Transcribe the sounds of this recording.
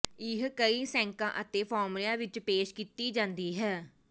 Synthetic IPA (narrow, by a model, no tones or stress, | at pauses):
ɪɦkəiːsɛ̃ːŋkãːʔət̪eːpʰɔːɾmlijãːʋɪt͡ʃpeːʃkiːt̪iːd͡ʒãːnd̪iːɦɛː